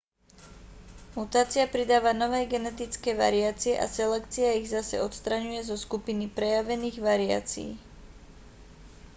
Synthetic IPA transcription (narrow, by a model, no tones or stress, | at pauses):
mut̪aːt͡siapɾid̪aːʋanɔʋɛːɡɛnɛt̪it͡skɛːʋa̰ɾiaːt͡siɛʔa̰sɛlɛkt͡siaiɣzasɛ̰ɔt̪st̪ɾaɲujɛzɔskupinipɾɛjaʋɛniːɣʋaɾia̰ːt͡sḭː